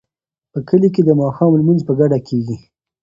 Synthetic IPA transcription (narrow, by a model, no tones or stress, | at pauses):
pəkəlik̬ed̪əmɑxɑmlmanzpəɡaɖakʰeɡi